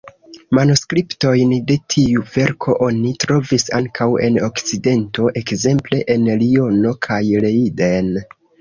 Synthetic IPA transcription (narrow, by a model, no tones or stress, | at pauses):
manoskɾipto̞jnde̞tʰiuve̞ɾkʰo̞ʔo̞nitɾo̞visa̰ŋkʰawe̞̰no̞kt͡side̞nto̞ʔekze̞mple̞ʔenlio̞no̞kʰajle̞iden